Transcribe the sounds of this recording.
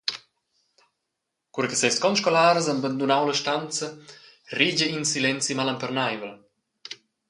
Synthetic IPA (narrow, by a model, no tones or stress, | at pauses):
kuɾkəsɛstkɔnʃkolaːɾəzanbənd̪unawləʃtant͡səriɟəinsilɛnt͡simalampərnajvəl